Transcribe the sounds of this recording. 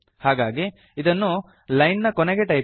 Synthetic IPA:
haːɡaːɡiː | d̪ɐnːu | lɐjnnɐkɔnɛɡeʈɐj

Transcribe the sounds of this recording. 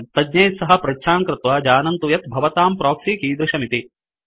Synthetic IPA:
t̪ɐdɲɐjt̪sɐɦɐ̆pɾɐtːʃʰaːŋkɾɪt̪ʋɐd͡ʒaːnɐnt̪ujɐt̪bʱɐʋɐt̪aːmpɾoːksiːkiːd̪ɾɪʃɐmit̪i

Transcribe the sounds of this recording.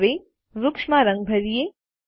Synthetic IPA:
ʋe | ʋʊkʃmaɾɐ̃ŋɡ̚bʱɐɾije

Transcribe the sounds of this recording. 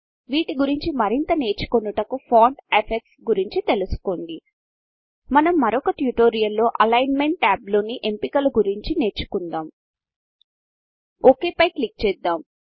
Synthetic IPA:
ʋiːʈiɡuɾiɲt͡ʃimɐɾint̪ɐne̞ːɾt͡ʃu̥konːuʈɐkupʰaːɳɖepʰeksɡuɾiɲt͡ʃit̪e̞lusu̥koɳɖi | mɐnɐmːɐɾɔkɐʈjuʈo̞ːɾijɐlːo̞ːʔɐlɐjnme̞ɳʈːaːblo̞ːniʔe̞mpikɐluɡuɾiɲt͡ʃine̞ːɾt͡ʃːu̥kund̪aːm | oːke̞ːpɐjklik̚t͡ʃɛːd̪ːaːm

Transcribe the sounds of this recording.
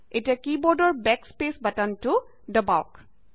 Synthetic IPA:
etijakibɔɹdɔɹbɛkspesbatantu | dəbaʊk

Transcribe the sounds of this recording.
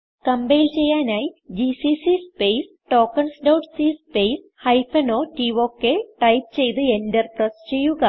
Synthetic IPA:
kɐmbɐjlt͡ɕe̞jːaːnaːjid͡ʑisisispejs | ʈo̞ːkːɐɳsdɐwʈsiːspejs | hɐjfɐno̞ːʈiʋoːkːeʈɐjp̚t͡ɕe̞jt̪ɨendɐrprɐst͡ɕejːuɣɐ

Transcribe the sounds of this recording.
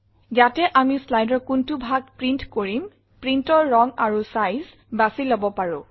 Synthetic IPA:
zatɛʔamislajdɔɹkuntubʱaɡ̚pɹintkoɹim | pɹintɔɹːɔŋaɹusajz | basilobɔpaɹʊ̰̃

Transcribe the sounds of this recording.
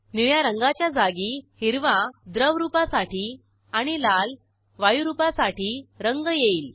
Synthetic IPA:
niɭjaɾəŋɡat͡ɕjad͡zaɡihiɾʋãd̪ɾəʋɾupasaʈiː | aɽ̃ilal | ʋajuɾupasaʈiːɾəŋɡjeiːl

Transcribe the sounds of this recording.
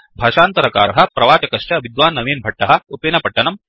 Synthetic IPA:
bʱaːʃaːnt̪ɐɾɐka̰ːɾɐɦɐpɾɐʋaːt͡ʃɐkɐʃʈɐʋid̪ʋaːnːɐʋiːnbʱɐʈːɐɦɐ̆upenɐpɐʈːɐnɐm

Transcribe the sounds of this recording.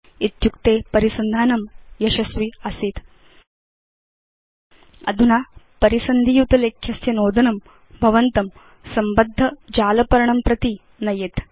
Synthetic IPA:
it̪jukt̪eːpɐɾisɐnd̪ʱaːnɐmjɐɕɐsʋiəsiːt̪ | ɐ̰d̪ʱunapɐɾisɐnd̪ʱijut̪ɐleːkʰjɐsjɐnoːd̪ʱɐnɐm | bʱɐʋənt̪ɐm | sɐmbəd̪ʱːɐd͡ʑaːlɐpɐɾɳɐmpɾɐt̪i | nɐjeːt̪

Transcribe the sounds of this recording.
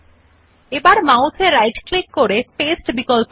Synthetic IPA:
ebaɾmawsʰeɾajɖklikːoɾefesʈbikolp

